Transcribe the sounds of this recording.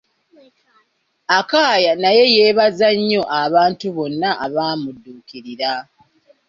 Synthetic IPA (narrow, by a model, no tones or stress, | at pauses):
akaːjanaje̞jeːβazaɲːo̞ʔaβaːntuβo̞nːaʔaβaːmudːuːkiɾiɾa